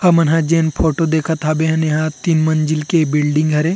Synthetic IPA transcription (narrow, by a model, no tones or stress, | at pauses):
hɐmɐnɦãd͡ʒeːnpʰoːʈod̪eːkʰat̪ʰabeːɦɐnɐɦãt̪inmɐnd͡ʒɪlkebɪlɖɪ̃ŋɡɦɐɾẽː